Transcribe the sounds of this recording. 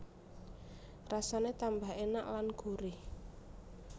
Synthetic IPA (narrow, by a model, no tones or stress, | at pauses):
rasanet̪ambaɦenaʔlanɡ̥o̤ɾi